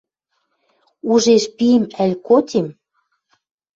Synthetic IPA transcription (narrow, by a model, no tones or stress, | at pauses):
uʒeʃpiəmælʲkotʲem